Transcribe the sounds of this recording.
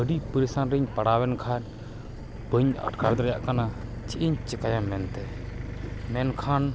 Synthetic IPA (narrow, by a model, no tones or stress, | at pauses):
əɖipəɾisanɾiɲpaɽawɛnkʰan | bəɲa̰ʈkʰaɾd̪ɾɛjaʔkana | t͡ʃiʔiɲt͡ʃɛkajamːɛnt̪ɛ | mɛnkʰan